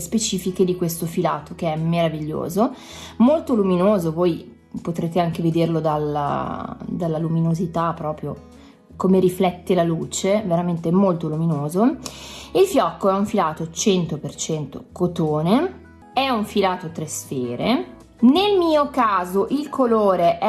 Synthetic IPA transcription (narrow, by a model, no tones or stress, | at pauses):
spet͡ʃiːfiked̪ikwest̪ofila̰ːt̪ok̟eɛmːeɾaviʎːo̰ːzo | molt̪oluminoːzovoːj | pot̪ɾeːt̪eaŋk̟eved̪erlod̪ala̰d̪alːaluminozit̪apːɾɔːpɾjo | komeɾiflɛt̪ːelaluːt͡ʃeveɾament̪eɛmolt̪oluminoːzo | ilfjɔkːoɛuɱfilaːt̪ot͡ʃɛnt̪opert͡ʃɛnt̪o̰kot̪oːne | ɛuɱfilaːt̪ot̪ɾesfeːɾe | nelmiːokaːzoʔilkʰoloːɾeʔ